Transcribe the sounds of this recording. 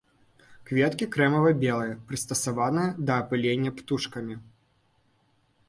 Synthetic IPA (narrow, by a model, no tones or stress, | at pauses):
kvʲet̪kʲikɾɛmɐvɐbʲelˠɐjɐpɾɨst̪ɐsavanɨjɐd̪ɐːpɨlʲenʲːɐpt̪uʂkɐmʲi